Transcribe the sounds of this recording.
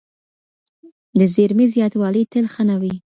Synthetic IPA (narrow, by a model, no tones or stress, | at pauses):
d̪əzeɾmizjɑt̪wɑlət̪əlxanawi